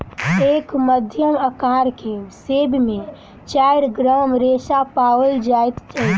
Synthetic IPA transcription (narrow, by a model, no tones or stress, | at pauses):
ekməd̪ʱjəməkaɾkesebʱmẽ | t͡ʃaɪɾɡɾamɾesapawəld͡ʒajt̪t͡ʃət̪